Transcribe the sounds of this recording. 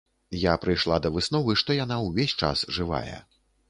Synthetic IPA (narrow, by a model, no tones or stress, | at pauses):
japɾɨjʂlˠad̪ɐvɨsnɔvɨʂt̪ɔjan̪awvʲesʲt͡ʂa̰sʐɨva̰jɛ̰